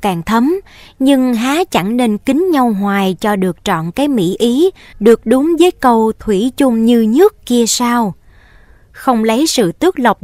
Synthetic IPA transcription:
kaː˧˩ŋt̪ʰə˨˦m | ɲɨ˧ŋɦaː˨˦t͡ɕa˧˩ŋne˧nkï˨˦ŋ̟ɲa˧wɦwaː˨˩jt͡ɕɔ˧ɗɨ˨˩ək̚t͡ɕɔ̰˧˨nkaː˨˦jmḭ˧˥ʔi˨˦ | ɗɨ˨˩ək̚ɗʊ˨˦ŋ͡mvəː˨˦jkə˧wt̪ʰwi˧˩t͡ɕʊ˧ŋ͡mɲɨ˧ɲɨ˦˥əkːi˧əsaː˧w | xə˧wŋ͡mlə˨˦jsɨ̰˧˨t̪ɨ˦˥ək̚lə˨˩wk͡p̚

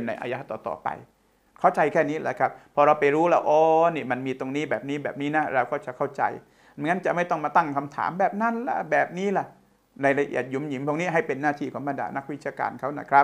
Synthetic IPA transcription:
e˧˩nːa˧jʔa̰ː˧ja˦˥t̪ɔ̰ː˨˩t̪ɔ̰ː˨˩pa̰˧j | kʰa˥˩wt͡ɕa˧jkʰɛː˥˩niː˦˥la̰˧˩kʰɾa˦˥p̚pʰːɔː˧ɾa˧wpa˧jɾuː˦˥la̰˧˩ʔɔː˧˦niː˧˩ma˧nmiː˧t̪o˧ŋniː˦˥bɛː˨˩p̚niː˦˥bɛː˨˩p̚niː˦˥na˦˥ɾa˧wkɔː˥˩t͡ɕa˨˩kʰa˥˩wt͡ɕa̰˧j | ŋa˦˥nt͡ɕa˨˩ʔma˥˩jt̪ɔ˥˩ŋmaː˧t̪a˥˩ŋkʰa˧mt̪ʰa̰ː˩˦mbɛː˨˩p̚na˦˥˨nla̰˧˩bɛː˨˩p̚niː˦˥la˧˩ | na˧jla˧ʔḭ˨˩ət̪̚ju˨˩˦mji˨˦ŋp̪ʰɔ˧ŋniː˦˥ɦa˥˩jpe˧nːaː˥˩t̪ʰiː˥˩kʰɔː˩˦ŋba˧nda̰ː˧na˦˥k̚wi˦t̪̚t͡ɕʰaː˧ka̰ː˧nkʰa˦˥wna̰˦˥˩kʰɾa˦˥

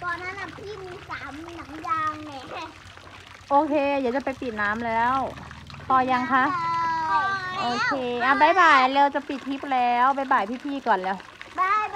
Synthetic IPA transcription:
t̪ɔː˧˩na˧˥˨na˨˩pʰiː˥˩miː˧saː˩˦m˧na˩˦ŋjaː˧ŋa˧˩˥ | ʔoː˧kʰeː˧diː˨˦wt͡ɕa˨˩pa˧jpi˨˩t̪̚naː˦˥mlɛː˦˥˨w | pɔː˧ja˧ŋkʰa˦˥ʔ | ʔoː˧kʰeː˧ʔa˧˩ba˧˥˩jbaː˨˩jleː˧wt͡ɕa˨˩pi˨˩t̪̚ʰːi˦˥p̚lɛː˦˥wba˧˥˩jbaː˨˩jpʰiː˥˩pʰiː˥˩kɔː˨˩nlɛː˧˩w | da˥˩

